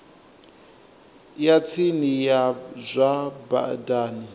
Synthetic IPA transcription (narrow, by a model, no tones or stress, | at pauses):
jat͡sʰinijazʷaba̰daːni